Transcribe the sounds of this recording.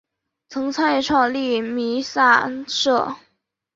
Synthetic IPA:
t͡sʰɤ˧˥ŋt͡sʰa˥njɛ˥˩ʈ͡ʂʰwɑ˥˧ŋli˥˩mi˧˥sa˥˧ʂɤ˥˩

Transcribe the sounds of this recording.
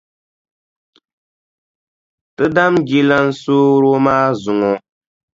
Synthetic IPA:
tɨ˦da˦mɡi˦la˦n̩˦soː˦ɾo˦maː˦zʊ˨ŋɔ˨

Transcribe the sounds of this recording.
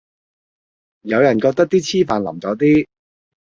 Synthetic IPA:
jɐ˨˧wjɐ˨˩nkɔː˧k̚t̪ɐ˥k̚t̪iː˥t͡sʰiː˥faː˨nlɐ̰˨˩mt͡sɔː˨˥t̪iː˥

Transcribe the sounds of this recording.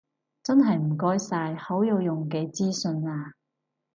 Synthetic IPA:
t͡sɐ˥nɦɐ˨jm̩˨˩kɔː˥jsaː˧jho˨˥wjo˨˧wjʊ˨ŋke˨˧jt͡siː˥sɵ˧naː˧

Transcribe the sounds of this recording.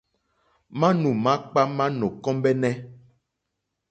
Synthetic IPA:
mã˦nũ˨mã˦k͡pa˦mã˦nɔ̃˨kɔ̃˦mbɛ˦nɛ̃˦

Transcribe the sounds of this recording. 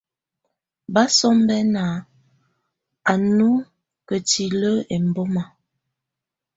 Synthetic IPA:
ba˦sɔ˦m˦bɛ˦na˨ | a˨nu˦ | kə˨ti˨lə˦e˨m˨bo˦ma˨

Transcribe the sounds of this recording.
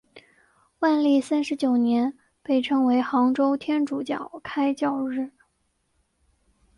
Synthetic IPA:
wa˥˧nli˥˩sa˥nʂɻ̩˧˥t͡ɕjo˨˩ʊnjɛ˧˥n | pe˥˩ɪʈ͡ʂʰɤ˧˥ŋwe˧˥ɪxɑ˧˥ŋʈ͡ʂo˥ʊt̪ʰjɛ˥nʈ͡ʂu˨˩t͡ɕjɑ̰˨˩ʊkʰa˥ɪt͡ɕjɑ˥˧ʊɻɻ̩˥˩

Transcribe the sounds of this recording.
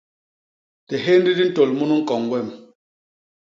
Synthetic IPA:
tɛ˨ɦe˦n˦di˦di˦n̩˦to˨lmu˦nu˦ŋ̩˦kɔ˨ŋwɛ˦˨m

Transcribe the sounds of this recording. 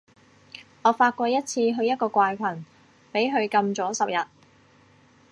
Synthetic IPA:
ŋɔː˨˧faː˧t̚kʷɔː˧jɐ˥t̚t͡sʰiː˧ɦɵ˧ɥjɐ˥t̚kɔː˧kʷwaː˧jkʷʰɐ˨˩n | pe˨˥jɦɵ˨˧ɥkɐ˧mt͡sɔː˨˥sɐ˨p̚jɐ˨˩t̚

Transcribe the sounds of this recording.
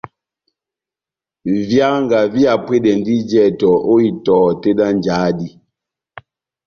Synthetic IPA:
vja˦ŋɡa˨vi˦a˨pwe˦dɛ˨n˦di˦d͡ʒɛ˦˨tɔ˨ʔo˦i˦tɔː˨te˦da˦n˨d͡ʒa˨˦di˦

